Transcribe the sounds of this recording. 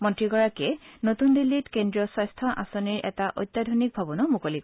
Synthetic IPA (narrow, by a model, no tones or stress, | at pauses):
mɔntɹiɡɔɹakɛnotundilːitkendɹiɔsɔjstʰɔʔasoniɹʔɛ̰taʔo̰jtːadʱonik̚bʱabɔnɔmukolik